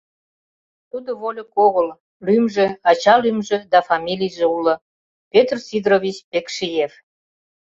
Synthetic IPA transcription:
t̪ud̪oβolʲəkoɣəl | lymʒĕɑt͡ɕɑlymʒĕd̪ɑfɑmʲilʲijʒĕulə̆ | pʲet̪rsid̪rovʲit͡ɕpekʃijef

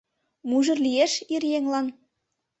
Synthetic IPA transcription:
muʒɤ̆rlʲijeʃirjeŋlˠɑn

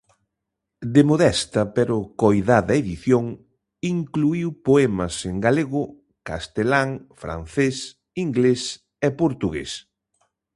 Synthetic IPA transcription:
d̪emoðɛst̪ɐpeɾʊkojðaðɐeðiθjoŋ | iŋkluiwpoɛmɐseŋɡaleɣʊ | kast̪elaŋfɾa̰nθes | iŋɡles | epoɾt̪uɣḛs

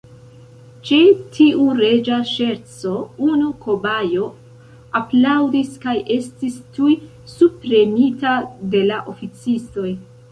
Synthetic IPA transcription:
t͡ʃetʰiʔuɾe̞d͡ʒaʃe̞ɾt͡so̞unuko̞bajo̞ | aplawdiskajʔe̞stistuj | supɾe̞mitade̞laʔo̞fit͡sisto̞j

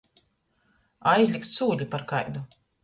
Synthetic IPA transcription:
ajzʲlʲikt̪suːʎʲipaɾkajd̪u

